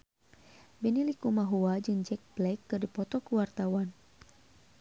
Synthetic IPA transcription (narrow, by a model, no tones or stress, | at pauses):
bɛnilikumaɦuad͡ʒɨŋd͡ʒɛk̚blɛk̚ːɨrdipɔt̪ɔkuwart̪awan